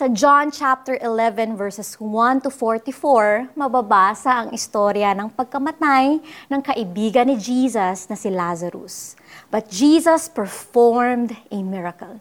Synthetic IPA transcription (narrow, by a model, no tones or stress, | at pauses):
sɐd͡ʒant͡ʃap̚t̪ɛɹʔɪlɛvɛ̃nvɛɹsɛswɐ̃nt̪ʊfɔɹt̪ifoɹmɐbɐbaːsɐʔɐŋɪst̪oɾjɐnɐŋpɐɡ̚kɐmɐt̪ajnɐŋkɐʔɪbiːɡɐnɪd͡ʒiːsɐsnɐsɪlazɐɾʊ̰s | b̥ɐt̪̚d͡ʒiːsɐspɛɹfoɹmd̪ʔɛmɪɹɐkɐl